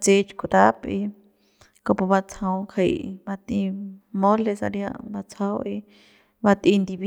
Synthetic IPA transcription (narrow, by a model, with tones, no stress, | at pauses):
t͡se˧t͡ʃku˧t̪a˦pi˧ | ko˧po˧βa˧t͡sʰã˧ũ˧kʰa˧ḭ˧ba˧t̪ĩ˧mõ˦le˧sa̰˧ɾjã̰˧ʔβa˧t͡sʰa˧˦wʔi˧ | βa˧t̪ĩ˧nd̪i˧βi˦